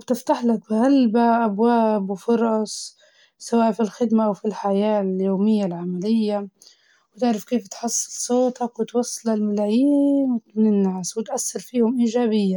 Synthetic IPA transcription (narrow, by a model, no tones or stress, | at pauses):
bt̪ɪft̪aħlak̚bɪɣalbaʔabwaːbwfʊɾˤɑsˤ | sawaːʔfilxɪd̪maʔawfilħajaːljoːmɪjːalʕamalɪjːa | wt̪ɪʕɾɑfkeːft̪ħʊsˤːɨ̥soːt̪ɑkwɪt̪wɑsˤːɑlalmalaːjinɪnɪnːaːswɪt̪ʔasːɪɾfiːhʊmʔiːʒaːbɪjːa